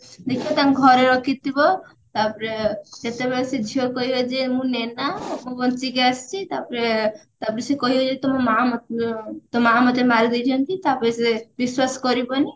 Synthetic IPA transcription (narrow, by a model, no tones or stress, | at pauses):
d̪ekʰiɔt̪akɡʱɔɾeɾɔkʰit̪ibɔ | t̪apɔɾed͡ʒet̪ebeɾesed͡ʒʱiokɔɦibɔd͡ʒemũnenamũbɔnt͡ʃiɡeast͡ʃʰit̪apɔɾet̪apɔɾesekɔɦibɔd͡ʒet̪ɔmɔmamɔt̪omaamɔt̪emaɾɡɔjt̪ʰiɔnt̪it̪apɔɾesebiswaskɔɾibɔni